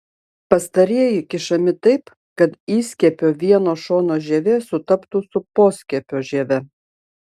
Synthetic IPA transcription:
pɐst̪ɐɾʲiɛjɪkʲɪʃɐmʲɪt̪ɐɪp | kɐt̪iːsʲkʲɛpʲoːʋʲiɛnoːʃoːnoːʒʲɛːʋʲeːsʊt̪ɐpt̪usʊpoːsʲkʲɛpʲoːʒʲɛʋʲɛ

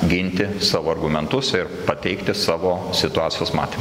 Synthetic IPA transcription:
ɡʲɪnʲt̪ʲɪsɑːʋoːɐrɡʊmʲɛnt̪ʊsɪɾpɐt̪ʲɛɪkt̪ʲɪsɑːʋoːsʲɪt̪ʊɑːt̪sʲɪjoːsmɑ̰ːt̪ʲeːm

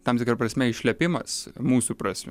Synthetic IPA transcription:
t̪ɐmt̪ʲɪkɾɐpɾɐsʲmʲɛɪʃʲlʲɛpʲɪmɐsmuːsupɾɑːsʲmʲ

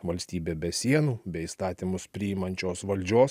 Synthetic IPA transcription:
ʋɐlʲsʲt̪ʲiːbʲeːbʲɛsʲiɛnuːbʲɛist̪ɑːt̪ʲimʊspʲɾʲɪɪmɐnʲt͡ʃʲoːsʋɐlʲd͡ʒʲoːs

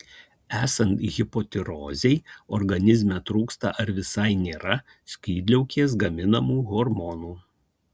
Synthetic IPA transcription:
æːsɐnt̪ɣʲɪpɔt̪ʲɪɾɔːzʲɛɪɔɾɡɐnʲɪzʲmʲɛt̪ɾuːkst̪ɐ̰ʔɐɾʋʲɪsɐɪnʲeːɾɐ | sʲkʲiːd̪ʲlʲɛʊkʲeːs̬ɡɐmʲɪnɐmuːɣɔɾmɔnuː

